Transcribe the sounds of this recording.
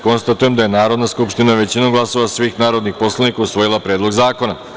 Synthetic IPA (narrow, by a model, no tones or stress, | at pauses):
ko̞nst̪at̪ujemd̪ajenaːɾo̞d̪naskupʃt̪inaʋe̞t͡ɕinuɡlˠaso̞ʋasʋiːxnaːɾo̞d̪nixpo̞slˠanikausʋo̞jilˠapɾeːd̪lˠo̞ɡzaːko̞na